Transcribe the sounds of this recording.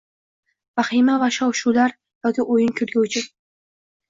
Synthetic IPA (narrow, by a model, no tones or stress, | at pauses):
vaχimavaʃɒwʃulaɾ | jɒkʲɪʔojɪŋkʲʰɵlɡʲowt͡ʃʰɪ